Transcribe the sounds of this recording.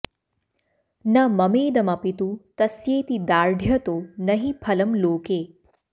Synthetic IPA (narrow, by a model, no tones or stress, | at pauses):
nɐmɐmeːd̪ɐmɐpit̪ut̪ɐsjeːt̪id̪aːɾɖʱjɐt̪oːnɐɦipʰɐlɐmloːkeː